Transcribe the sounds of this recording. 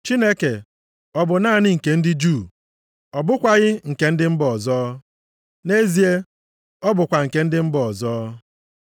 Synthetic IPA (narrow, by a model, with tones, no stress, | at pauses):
t͡ʃi˦ne˦ke˨ | ɔ˨bʊ˨naː˦˨nɪ˦ŋ̩˨ke˨n̩˦dɪ˦d͡ʒuː˦˨ | ɔ˨bʊ˦kʷa˦ɣɪ˦ŋ̩˨ke˨n̩˦dɪ˦m̩˦bɔ˨zɔː˦ | ne˦zi˨e˦ | ɔ˦bʊ˨kʷa˨ŋ̩˨ke˦n̩˦dɪ˦m̩˦bɔ˨ɔ˨zɔː˦